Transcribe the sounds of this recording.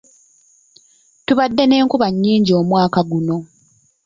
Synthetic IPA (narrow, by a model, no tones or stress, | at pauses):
tuβadːe̞ne̞ːŋkuβaɲːiːɲɟio̞ːmwaːkaɡuno̞